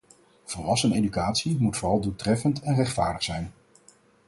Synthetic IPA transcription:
v̥əlʋɑsənḛjdykaːtsimutfʊːrɑlˠduːtrɛfəntɛnrɛχtfaːɹdəχsɛjn

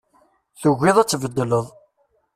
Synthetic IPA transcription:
θʊɣːɪðˤæt͡sːvəd̪ːələðˤ

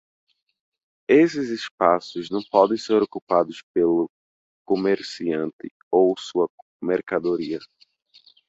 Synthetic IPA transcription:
esɪzɪspasʊznɐ̃w̃pɔd̪ẽj̃seɾokupad̪ʊspelʊ | komeɾsiɐ̃nt̪ɪ | owsuɐ | meɾkad̪oɾiɐ

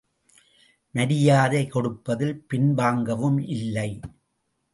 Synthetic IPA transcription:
nɐɾɪjaːðeɪkɔɽɯpːɐðɪlpɪnbaːŋɡɐʋɯmʔɪlːɐɪ

